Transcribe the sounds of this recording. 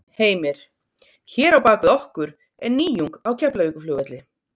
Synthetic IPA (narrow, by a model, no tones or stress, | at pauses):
heːjmɪɾ̥ | çɛːɾawpaːkvɪðɔhkʏɾ | ɛɾniːjuŋkawcʰɛplaviːkʏflœːɣvɛt̪lɪ